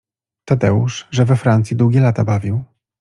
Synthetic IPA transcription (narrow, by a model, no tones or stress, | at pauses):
t̪ad̪ɛṵʂʐɛvɛfɾant̪sʲjid̪wuɡʲɛlat̪abavʲiw